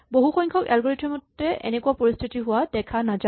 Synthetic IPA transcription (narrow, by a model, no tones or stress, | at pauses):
boɦuxɔɲkʰɔkɛ̰lɡɔɹetʰɛmɔtːɛɛ̰nɛkuwapoɹist̪ʰitiɦʊwadɛkʰanaza